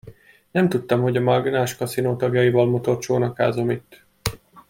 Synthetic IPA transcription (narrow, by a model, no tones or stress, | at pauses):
nɛmt̪ut̪ːɒmho̞ɟɒmɒɡnaːʃkɒsinoːt̪ɒɡjɒjivɒlmo̞t̪o̞rt͡ʃoːnɒkaːzo̞mit̪ː